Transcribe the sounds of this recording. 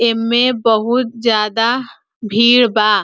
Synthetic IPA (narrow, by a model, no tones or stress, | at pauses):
ɪmːẽbəɦʊt̪̚d͡ʒjaːd̪a | bʱiːɽbaː